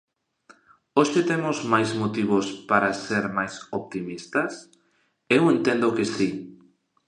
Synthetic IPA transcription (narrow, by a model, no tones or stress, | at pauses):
oʃɪt̪emʊzmajzmot̪iβʊspaɾaseɾmajsop̚t̪imist̪ɐs | ewent̪ẽnd̪okesi